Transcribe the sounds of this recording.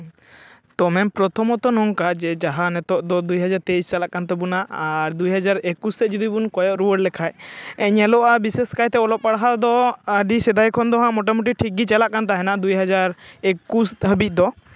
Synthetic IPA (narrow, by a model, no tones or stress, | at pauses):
t̪ɔmɛmpɾɔt̪ʰɔmɔt̪ɔnɔŋkad͡ʒɛd͡ʒaɦanɛt̪ɔʔd̪ɔd̪ujɦad͡ʒaɾt̪ejst͡ʃalaʔkant̪ɛbunaʔaɾd̪ujɦad͡ʒaɾekust̪ɛd͡ʒud̪ibunkɔjɔʔɾuwəɽlɛkʰajɛɲɛlɔʔabisɛskajt̪ɛɔlɔp̚paɽaɦad̪ɔəɖisɛd̪ajkʰɔnd̪ɔɦãʔmɔʈɔmuʈ̬iʈʰikːit͡ʃalaʔkant̪aɦɛnad̪ujɦad͡ʒaɾekusɦəbic̪̚ˀd̪ɔ